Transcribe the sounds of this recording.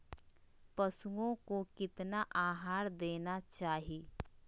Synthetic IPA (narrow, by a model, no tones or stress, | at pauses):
pɐsuõkokɪt̪naʔaːɦaːɾd̪eːnat͡ʃaːɦieː